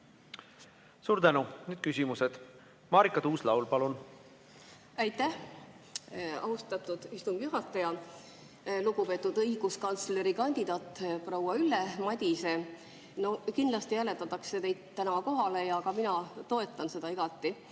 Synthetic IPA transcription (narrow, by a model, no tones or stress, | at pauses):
suːɾt̪ænunyːd̪̥kysʲimused̪̥ | mɑːɾikːˑɑt̪uːslɑwlpɑlun | æjt̪ːæh | ɑ̰ust̪ɑt̪ːˑud̪̥ist̪umbjuɦɑt̪ːˑɑjɑ | luɡ̥upe̞t̪ːˑud̪ɤjɡ̥uskɑnt̪sle̞ɾikɑnʲd̪̥id̪̥ɑːt̪ːˑprowɑylːemɑd̪ʲise | no̞kind̪lɑst̪iælet̪ːˑɑt̪ːˑɑkse̞t̪e̞jd̪̥t̪ːænɑko̞ɦɑle̞jɑkɑminɑt̪o̞e̞t̪ːˑɑnse̞d̪ɑiɡ̥ɑt̪ˑːi